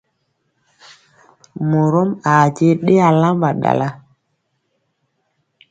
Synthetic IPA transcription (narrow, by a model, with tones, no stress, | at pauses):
mo˨ɾo˦ma˨t͡ʃe˦ɗe˦a˨la˦mba˨ɗa̰˨la˦